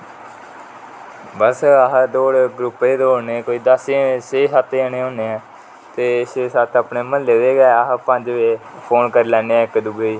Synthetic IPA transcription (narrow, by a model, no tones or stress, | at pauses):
bəsaɦd̪oːɽɡɾupeːd̪oːoːneːkoːiːd̪aseːseːsət̪eːəneːõːneːɛ̃ː | t̪eːsesət̪ʰəpneːməleːʋeːɡɛːaɦpəɲd͡ʒʋeː | pʰoːnkəɾiːlɛːneːɛːkd̪uɡəiː